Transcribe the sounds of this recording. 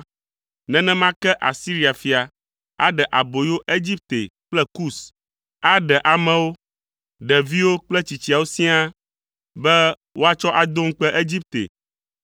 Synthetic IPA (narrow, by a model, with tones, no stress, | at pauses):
nɛ̃˦nɛ̃˦mã˦kɛ˦ʔa̰˨si˦ɾi˦a˨fi˨a˨ | a̰˦ɖɛ˨ʔa˨bo˨jo˦ʔe˦d͡ʑi˦p̚t̪e˨k͡plɛ˦ku˦˨s | a˦ɖɛ˨ʔa˨mɛ̃˦wo˦ | ɖɛ˨vi˦wo˦k͡plɛ˦t͡ɕi˨t͡ɕi˨a˨wo˦sĩ˦a˦ | bɛ˦ | wʔo˦a˦t͡ʃɔ˦ʔa˨d̪o˦ŋ̩˦k͡pɛ˦ʔe˦d͡ʑi˦p̚t̪ḛ˨